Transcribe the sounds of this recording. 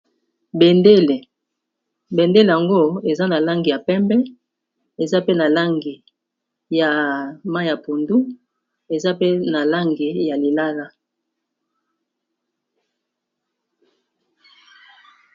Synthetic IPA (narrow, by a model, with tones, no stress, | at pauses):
be˨nde˦le˨ | be˨nde˦le˨ja˨ŋɡo˦e˨za˦na˨la˦ŋɡi˨ja˨pɛ˦mbɛ˦ | e˨za˦pe˦na˨la˦ŋɡi˨ | ja˨ma˦˨ja˨pu˨ndu˦ | e˨za˦pe˦na˨la˦ŋɡi˨ja˨li˨la˦la˦